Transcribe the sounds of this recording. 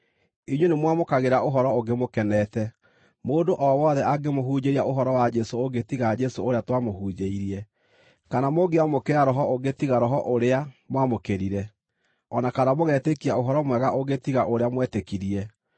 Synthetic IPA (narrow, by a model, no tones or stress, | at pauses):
iɲwenemwamokaɣeɾaʔoɦɔɾɔoɡemokɛnɛtɛ | moːndoʔɔwɔːðɛaɡemoɦuːd͡ʑeɾiaʔoɦɔɾɔwad͡ʒɛsooɡetiɣad͡ʒɛsooɾeatwamohuːd͡ʑeiɾiɛ | kanamoɡeamokeaɾɔɦɔoɡetiɣaɾɔɦɔʔoɾeamwamokeɾiɾɛ | ɔnakanamoɣɛtekiaoɦɔɾɔmwɛɣaʔoɡetiɣaʔoɾeamwɛtekiɾiɛ